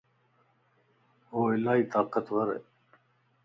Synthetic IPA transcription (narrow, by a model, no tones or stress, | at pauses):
oːɪlaːiːt̪aːqət̪wɐɾḛ